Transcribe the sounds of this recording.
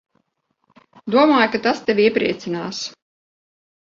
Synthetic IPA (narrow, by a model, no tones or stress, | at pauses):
d̪uɔmaːjkat̪ast̪evʲiɛpɾḭɛt̪sinaːs